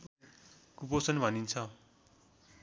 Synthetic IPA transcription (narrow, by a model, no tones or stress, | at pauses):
kuposʌnbʱʌnint͡sʰʌ